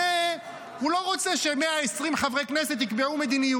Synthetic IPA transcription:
e | hulo̞ʁo̞t͡seʃemeaesʁimχavʁekneset̪jikbeʕume̞d̪iniju

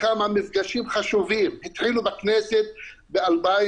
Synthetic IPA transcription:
kamamifɡaʃimχaʃuvimhit̪ħilubakneset̪̚ | bealba

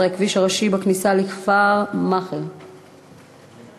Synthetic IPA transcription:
ekviʃaʁaʃibaknisalikfaʁmaχeʁ

